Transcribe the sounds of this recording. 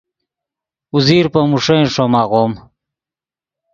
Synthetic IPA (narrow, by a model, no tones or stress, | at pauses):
uziːɾpɐmuʂej̃ʂomaʁom